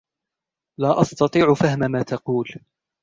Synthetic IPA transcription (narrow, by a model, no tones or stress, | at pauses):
laːʔɑst̪ɑt̪ˤiːʕʊfahmamaːt̪ɑquːl